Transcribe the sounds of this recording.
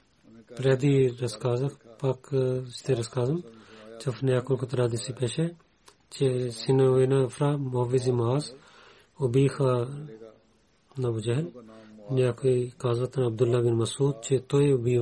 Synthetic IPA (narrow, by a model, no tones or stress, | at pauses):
pɾaːd̪iːɾɐskaːzɐkpɐkst̪ʰeɾɐskaːzɐmt͡ʃɐfnejaːkulkʰut̪ɾaːd̪isipeːʃe | t͡ʃesinɐʋenaɐfɾaːmʊɦɐʋizimaːz | obiːxaː | nɐbud͡ʒɐɦlnjaːkoikaːzɐt̪ɐnɐb̚d̪ulːaːbɪnmɐsuːd̪̚t͡ʃet̪oeʊbiː